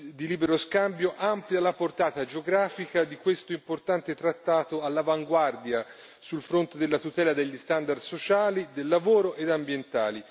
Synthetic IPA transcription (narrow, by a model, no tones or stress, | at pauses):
d̪iliːbeɾoskambjoʔampljalaport̪aːt̪ad͡ʒeoɡɾaːfikad̪ikwest̪oimport̪ant̪et̪ɾat̪ːaːt̪oalːavaŋɡward̪ja | sulfɾont̪ed̪elːat̪ut̪ɛːlad̪eʎːist̪and̪ard̪sot͡ʃaːlid̪elːavoːɾoʔed̪ambjent̪aːli